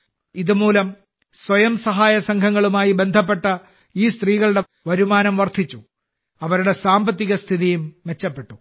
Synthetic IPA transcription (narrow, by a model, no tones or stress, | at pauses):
iðumuːlɐm | swɐjɐmsɐɦaːjɐsɐŋkʰɐŋːɐɭumaːjibe̞nd̪ʱɐpːe̞ʈːɐ | iːst̪riːɣɐɭɨɽe̞ | ʋɐɾumaːnɐmʋɐrt̪ʰit͡ɕːu | ɐʋɐɾuɽe̞saːmbɐt̪ːiɣɐst̪ʰiðijumʋe̞t͡ɕːɐpːe̞ʈːu